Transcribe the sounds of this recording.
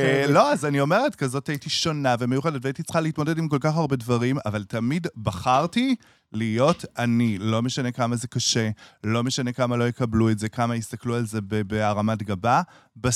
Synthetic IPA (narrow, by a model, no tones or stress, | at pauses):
elo̞azanio̞me̞ʁetkazo̞tajitiʃo̞naveme̞juχedet̪veajitit͡sχaleitmodedimko̞lkaχaʁbe̞dvɐʁima̰valtɐmidbɐχaʁti | lijo̞tanilo̞meʃane̞kamaze̞kaʃelo̞me̞ʃane̞kamalo̞jekɐbluetze̞kamaist̪ɐklualze̞bebeaʁamatɡababa